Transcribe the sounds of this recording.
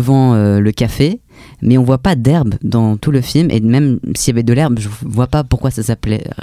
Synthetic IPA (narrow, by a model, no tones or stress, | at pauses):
vɑ̃øləkʲafe | mɛɔ̃vwapad̪ɛʁbd̪ɑ̃t̪uləfilmʔḛmɛmsijavɛd̪əlɛʁbʒəvwapapuʁkwasasaplɛ̰